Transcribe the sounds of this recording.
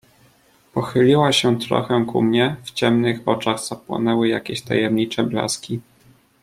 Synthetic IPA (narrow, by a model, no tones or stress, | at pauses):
pɔxɘlʲiwaɕɛt̪ɾɔ̰xɛ̃kṵmɲɛft͡ɕɛmnɘxɔt͡ʂaɣz̥apwɔ̰nɛwɘjakʲeɕt̪a̰jɛmɲit͡ʂɛbla̰skʲi